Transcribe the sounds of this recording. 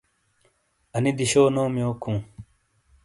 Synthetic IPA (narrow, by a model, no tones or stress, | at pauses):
ɐnid̪iɕoːnoːmjoːkʰũː